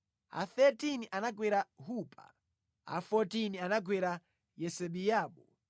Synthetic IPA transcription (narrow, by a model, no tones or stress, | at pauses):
a̰θɛtiniʔanaɡwɛɾaɦupʼa̰ | a̰fɔtinianaɡwɛɾa | jɛsɛɓijaːɓɔ